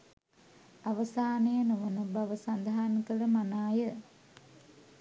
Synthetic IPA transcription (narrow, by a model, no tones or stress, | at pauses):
aʋəsaːnejənuʋənəbaʋəsand̪ɦaːnikələmanaːjə